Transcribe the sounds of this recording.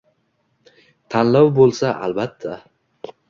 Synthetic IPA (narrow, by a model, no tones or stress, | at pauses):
t̪ʰanlawbolˠsaʔa̰lbat̪ʰːa